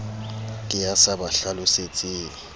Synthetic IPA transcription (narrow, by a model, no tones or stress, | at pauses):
kʼɪjasabaɬalʊset͡sʼeɪː